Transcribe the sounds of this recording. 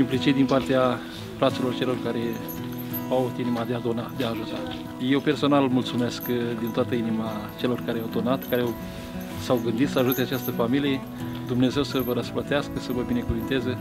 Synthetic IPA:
implit͡ʃit̪̚d̪inpart̪ea | fɾat̪silo̞rt͡ʃe̞lo̞rkaɾe̞ | aut̪inimad̪ead̪onad̪eaːʒut̪a | je̞wpe̞rso̞nalmult̪sume̞skd̪int̪oat̪əinimat͡ʃe̞lo̞rkaɾeawd̪o̞nat̪kaɾeaw | sawɡɨnd̪it̪səaʒut̪eat͡ʃast̪əfamilije̞ | d̪umne̞ze̞wsəvəɾəsplət̪easkəsəvəbine̞kuvint̪ezə

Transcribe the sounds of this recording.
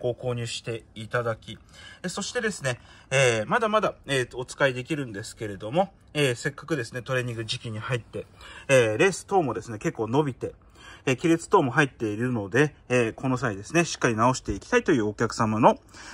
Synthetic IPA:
ko̞ːko̞ːɲ̟ɨːɕi̥t̪e̞it̪ad̪akʲi | so̞ɕi̥t̪e̞d̪e̞sɨne̞eːmad̪amad̪aeːot͡sɨ̥kaid̪e̞kʲiɾɯ̟̃nd̪e̞sɨ̥ke̞ɾe̞d̪o̞mo̞ | eːse̞kːḁkɯ̟d̪e̞sɨne̞t̪o̞ɾe̞ɲ̟ːĩŋɡɯ̟ʑikʲiɲ̟ihait̪ːe̞eɾe̞ːsɨ̥t̪o̞ːmo̞d̪e̞sɨne̞ke̞kːo̞ːno̞bʲit̪e̞ | ekʲiɾet͡sɨ̥t̪o̞ːmo̞ɦait̪ːe̞iɾɯ̟no̞d̪e̞ː | ko̞no̞s̬aid̪e̞sɨne̞ɕi̥kːaɾʲinao̞ɕi̥t̪e̞ikʲi̥t̪ait̪o̞jɯ̟ːokʲakɯ̟̥samano̞

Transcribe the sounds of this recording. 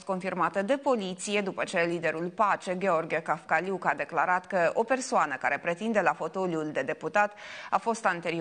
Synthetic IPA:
t̪ko̞nfirmat̪əd̪e̞po̞lit̪sije̞d̪upət͡ʃe̞lid̪e̞ɾulpat͡ʃe̞ɡʲe̞o̞rɡekafkalukad̪e̞klaɾat̪kəo̞pe̞rsoanəkaɾe̞pɾe̞t̪ind̪e̞lafo̞t̪oliuld̪e̞d̪e̞put̪at̪afo̞st̪ant̪e̞ɾi

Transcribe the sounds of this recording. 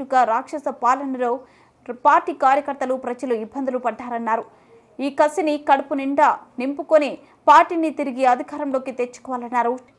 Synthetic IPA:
uɡaːɾaːkʂɐsɐpaːlɐnɐloː | paːɾʈiːkaːɾjɐkɐɾt̪ɐlupɾɐd͡ʒɐluibːɐnd̪ɐlupɐɖːaːɾɐnːaːɾu | iːkɐsinikɐɽupuniɳɖanimpukone | paːɾʈiːnit̪iɾiɡiɐd̪ʱikaːɾɐmlo̞ːkit̪et͡ʃːu̥kɔʋaːlɐnːaːɾu

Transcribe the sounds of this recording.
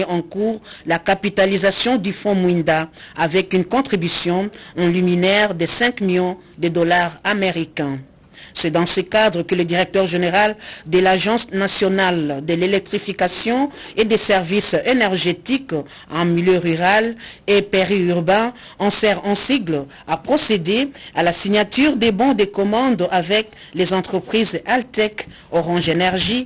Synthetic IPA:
ɑ̃kuʁlakapit̪alizasjɔ̃d̪yfɔ̃mwĩnd̪aavɛkynkɔ̃t̪χibysjɔ̃ɑ̃lyminɛʁd̪esɛ̃kmiljɔ̃ | d̪əd̪ɔlaʁameʁikɛ̃ | sɛd̪ɑ̃səkad̪ʁəkələd̪iʁɛk̚t̪œʁʒeneʁald̪əlaʒɑ̃snasjɔnald̪əlelɛk̚t̪χifikasjɔ̃ed̪esɛʁvisenɛʁʒet̪ik | ɑ̃miljøʁyʁalepeʁiyʁbɛ̃ | ɑ̃sɛʁɑ̃siɡl | apχɔsed̪ealasiɲat̪yʁd̪ebɔ̃d̪ekɔmɑ̃d̪avɛklezɑ̃t̪χəpχizalt̪ɛk | ɔʁɑ̃ʒenɛʁʒi

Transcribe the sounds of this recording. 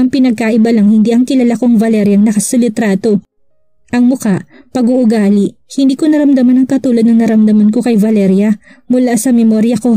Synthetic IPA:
ʔɐŋpɪnɐɡ̚kaʔɪbalɐŋhɪnd̪iːʔɐŋkɪlɐlakoŋvɐlɛɾjɐŋnɐkɐsɪlɪt̪ɾaːt̪o̞ | ʔɐŋmʊkaʔpɐɡʊʔʊɡaːlɪʔ | hɪnd̪iːkonɐɾɐmd̪ɐmanɐŋkɐt̪uːlod̪nɐŋnɐɾɐmd̪ɐmɐnko̞kɐjvɐlɛɾjɐ | mʊlasɐmɛmoɾjɐko̞

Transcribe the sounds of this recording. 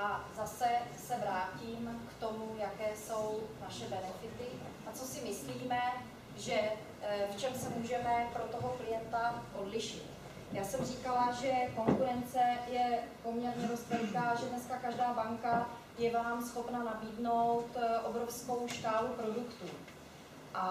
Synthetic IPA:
ʔazasɛsɛvɾaːciːmkt̪o̞mujakɛːso̞wnaʃɛbɛnɛfɪt̪ɪ | ʔat͡so̞sɪmɪsliːmɛ | ʒɛ | ft͡ʃɛmsɛmuːʒɛmɛpɾo̞t̪oɦo̞klɪjɛnt̪aʔo̞dlɪʃɪt̪ | jaːsɛmr̝iːkalaʒɛko̞ŋkuɾɛnt͡sɛjɛpo̞mɲɛɾɲɛɾost̪ɛlkaːʒɛdnɛskakaʒdaːbaŋka | jɛvaːmsxo̞pnanabiːdno̞wt̪ʔo̞bɾo̞fsko̞wʃkaːlupɾo̞dukt̪uː | ʔa

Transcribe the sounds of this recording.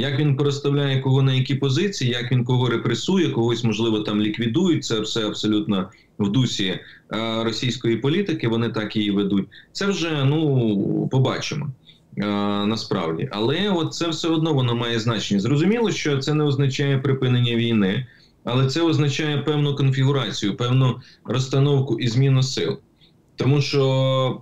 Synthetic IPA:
jɐkʋʲinpeɾɔst̪ɐwlʲajɛkɔɦɔnɛjɐkʲipɔzɪt͡sʲijijɐkʋʲinkɔɦɔɾepɾesujɛkɔɦɔsʲmɔʒlˠɪʋɔt̪ɑmlʲikʋʲid̪ujʊt̚ʲt̪sɛɐbsɛɐbsɔlʲut̪nɐ | wd̪usʲi | ɾɔsʲijsʲkɔjipɔlʲit̪ɪkɪʋɔnɪt̪ɑkjijiʋed̪ut̚ʲt̪sɛwʒɛnupɔbɑ̰t͡ʃɪmɔ̰ | nɐspɾɑ̰wdʲḭʔɐlˠɛɔt̪̚sɛwsɛɔd̪nɔʋɔnɔmɑjɛznɑt͡ʃenʲːɐzrɔzʊmʲilˠɔʃt͡ʃɔt̪sɛnɛɔznɐt͡ʃɑjɛpɾɪpɪnenʲːɐʋʲijnɪ | ɐlˠɛt̪sɛɔznɐt͡ʃɑjɛpɛwnʊkɔnfʲiɦʊɾɑt͡sʲijʊpɛwnʊ | rɔst̪ɐnɔwkʊʔizmʲinɐsɪ̰lˠ | t̪ɔmuʃt͡ʃɔ

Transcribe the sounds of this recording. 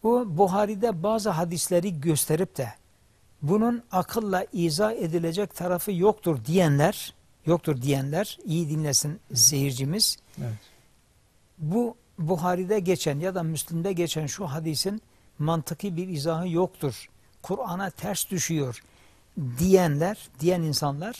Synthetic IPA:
bubuɦaːɾid̪ɛbaːzɯɦad̪islʲeɾiɟøst̪ʰeɾip̚t̪ʰɛ | bununɑkʰɯlˠːaʔiːzaːed̪ilʲed͡ʒɛc̚t̪ʰaɾafɯjo̞kt̪ʰuɾd̪ijænlʲæɾ̥ | jok̚t̪ʰuɾd̪ijænlʲæɾijid̪inlʲesinzeɦiɾd͡ʒimiz̥ | bu | buɦaːɾid̪ɛɟet͡ʃʰænjad̪amyslʲimd̪ɛɟet͡ʃʰænʃuɦad̪isin | mant̪ʰɯkʰɯbiɾizaːɦɯjo̞kt̪ʰuɾ̥ | kʰuɾanat̪ʰæɾsd̪yʃyjo̞ɾ | d̪ijænlʲæɾd̪ijæninsanlˠaɾ̥

